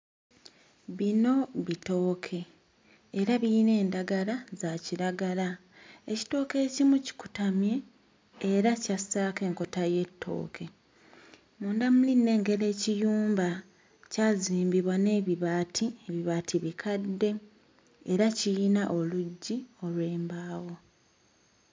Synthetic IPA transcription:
βino̞βito̞ːkʰe̞ː | ɾaβiːne̞ːndaɡalazaciɾaɡala | eci̥to̞ːke̞ːcimuci̥ku̥tamje̞ː | ɾacasaːke̞ːŋko̞taje̞tʰːo̞̰ːkʰe̞ | muːndamuline̞ːŋɡe̞le̞ːcijuːmba | caːziːmbiβwane̞ːβiβaːtʰieβiβaːtʰiβikʰadːe̞ | eɾacijinaʔo̞luɟːio̞lwe̞ːmbaːwo̞

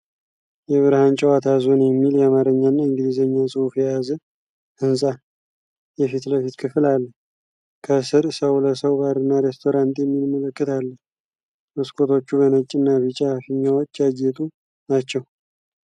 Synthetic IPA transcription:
jɛβɨɾhant͡ʃʼəwat̪ʰazonjɛmːiljɛamaɾəɲːanːaɨŋɡɨd̪izəɲːasʼɨufjɛjazə | hɨnsʼa | jɛfit̪ləfit̪kʰɨfɨlalːəh | kʰəsɨɾsəwləsəwbaɾɨnːaɾest̪ʰo̞ɾant̪jɛmːilmələkʼːɨt̪ʰalːəh | mɨskʰʼo̞t̪ʰo̞t͡ʃːuβənət͡ʃʼːɨnːaβit͡ʃʼafɨɲːawo̞t͡ʃːajɛt̪ʼu | nat͡ʃːɛw

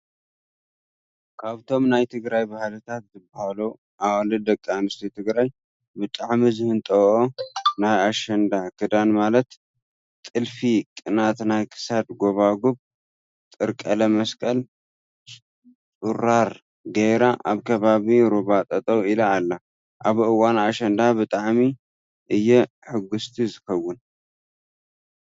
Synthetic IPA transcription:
kʰaβt̪ʰo̞mnajt̪ʰɨɡɾajbahlɨt̪ʰat̪zɨbahalu | ʔawalɨd̪ɐkʼːamɨst̪ʰit̪ʰɨɡɾaj | bɨt̪ʼaʕmizɨhɨnt̪ʼɐʔonajaʃɐnd̪akʰɨd̪anmalɐt̪ | t̪ʼɨlfikʼɨnat̪najkʰɨ̥sad̪ɡo̞βaɡuβ | t̪ʼɨɾkʼɐlɐmɐskʼɐl | tʼuɾaɾ | ɡejɾaʔaβkʰɐβaβiɾuβat̪ʼɐt̪ʼɐwilɐalːa | ʔaβɨwanaʃɐnd̪abɨt̪ʼaʕmi | ʔɨjːɛ | ħɨɡːʊst̪ʰizɨxɐwːʊn

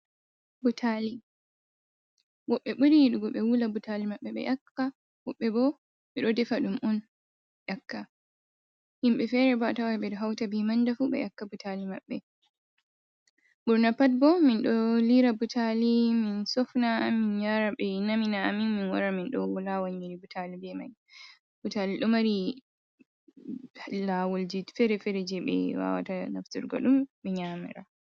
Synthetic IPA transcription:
butʰali | wɔɓːɛɓuɾiɗuɡɔɓɛwulabutalimaɓːɛɓɛ̰ʔakːa | wɔɓːɛbɔ | ɓɛɗɔdɛfaɗumʔɔn | ʔakːa | himɓɛfɛɾɛbaatawaɓɛɗɔɦawtabimandafuɓɛ̰ʔakːabutalima̰ɓːɛ | buɾnapat̚bɔminɗɔliɾabutʰaliminsɔfnaminɲaɾaɓɛnaminaaminminwa̰ɾaminɗɔwɔlawaɲiɾibutʰalibɛma̰j | b̥utaliɗɔmaɾi | lawɔld͡ʒifɛɾɛfɛɾɛd͡ʒɛɓɛ̰wa̰wa̰tana̰ftuɾɡɔ̰ɗumɓɛɲamɛ̰ɾa̰

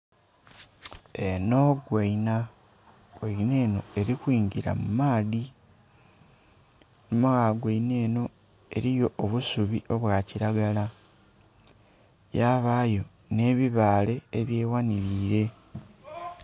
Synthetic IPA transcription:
e̞no̞ɡweina | oine̞ːno̞̰e̞ɾikwiːɲɟiɾa̰mumaːði | numaɣaɡweine̞ːno̞ | e̞̰ɾijo̞ʔːβusuβio̞βwaciɾaɡala | jaːβaːjo̞ | ne̞ːβiβaːle̞ːβje̞ːwaniɾiːɾe̞

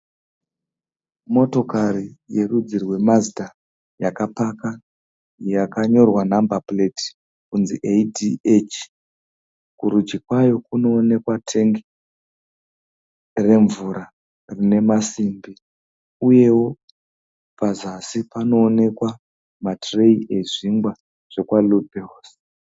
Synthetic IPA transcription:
mo̞to̞karije̞rud͡zirwe̞mazida | jakapaka | jakaɲo̞rwanambapleti̥ | kunziʔediet͡ʃ | kuɾud͡ʒikwajo̞kuno̞ːne̞kwatʰe̞ŋɡi | re̞ɱvuɾa | rine̞masimbi | uje̞wo̞ | pazasipano̞ːne̞kwa | matreiʔe̞ʐiŋɡwa | ʐ̥e̞kwalubʱeos

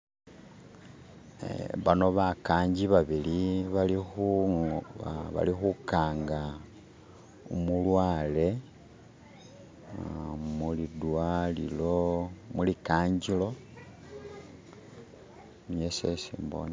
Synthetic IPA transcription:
βano̞βakaːɲɟiβaβiliβalixu | βa̰lixukaːŋɡa | umulwaːle̞ | mulidwalḭlomulikaːɲɟilo̞ | mjesesiːmbo̰ni

